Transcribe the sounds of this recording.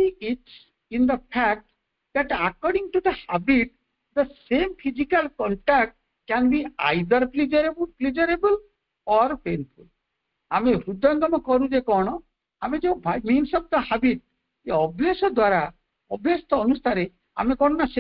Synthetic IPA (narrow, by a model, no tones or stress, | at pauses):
iiʈs | ĩnd̪əfʰæk̚ʈ | d̪æʈakɔɾɖĩŋʈud̪əhabiʈ̚ | d̪əsẽmfʰizikalkɔ̃ɳʈæk̚ʈ | kɛ̃nbia̰jd̪əɾplid͡ʒəɾeblplid͡ʒəɾebəl | ɔɾpenful | ameɾud̪ʱːaŋɡɔmɔkɔɾũd͡ʒekɔɽ̃o | amid͡ʒobʱamĩnsɔʋd̪əhabiʈ̚ | d͡ʒeɔbʱjasɔd̪waɾa | ɔbʱjast̪ɔɔnust̪ʰaɾe | a̰mekɔɳɔnase